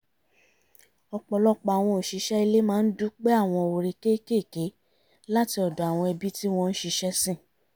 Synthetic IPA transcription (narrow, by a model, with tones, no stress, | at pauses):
ɔ˧k͡pɔ˧lɔ˦k͡pa˧˨a˨w̃ɔ̃˧o˨ʃi˨˧ʃɛ˦i˧le˦mãː˦˧n̩˦du˦k͡pe˦a˦˨w̃ɔ̃˧˨˧o˧ɾe˧ke˦˨ke˦˨ke˨˦ | la˦ti˧ɔ˨dɔ˨a˨w̃ɔ̃˧ɛ˧bi˦ti˦w̃ɔ̃˧n̩˦ʃi˧ʃɛ˦sĩ˦˨